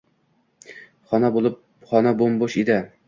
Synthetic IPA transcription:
χɒnabolˠɪp̚ | χɒnabomboʃed̪ɪ

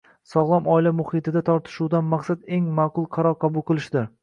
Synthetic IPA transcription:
sɒʁlˠɒmɒɪlamʊhɪt̪ʰɪd̪at̪ʰɒɾt̪ʰɪ̥ʃuwd̪anmaqsad̪e̞ŋmaqʊlˠqʰɑɾɒɾqʰɑbʊlˠqɨlˠɪʃd̪ɪɾ

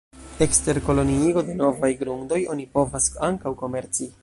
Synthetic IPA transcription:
e̞kste̞ɾko̞lo̞niiɡo̞de̞no̞vajɡɾuŋdo̞jo̞nipo̞vasaŋkawko̞me̞ɾt͡si

